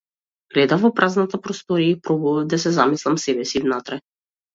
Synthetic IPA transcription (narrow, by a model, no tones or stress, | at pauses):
ɡ̥lɛd̪avɔpɾʔaznat̪apɾɔst̪ɔɾiaipɾɔbɔvad̪asɛzamislˠamsɛbɛsivnat̪ɾɛ